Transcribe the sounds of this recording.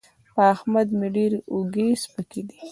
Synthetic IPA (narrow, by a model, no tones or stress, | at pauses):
paahmad̪meɖeɾoɡespəked̪i